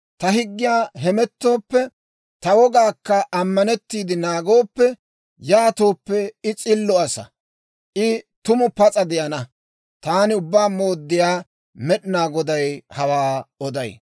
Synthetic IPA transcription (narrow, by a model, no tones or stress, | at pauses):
t̪ɐɦɪɡːɪjaːɦɛmɛt̪ːo̞ːpːɛ | t̪ɐwɔɡaːkːɐʔɐmːɐnɛt̪ːiːd̪ɪnaːɡo̞ːpːɛ | jaːt̪o̞ːpːɛɪt͡sʼɪlːɔɐsɐ̰ | ʔɪt̪ʊmʊpɐt͡sʼɐd̪ɪʔɐnɐ | t̪aːnɪʊbːaːmo̞ːd̪ːɪjaː | mɛɗɪnaːɡɔd̪ɐjhɐwaːɔd̪ɐj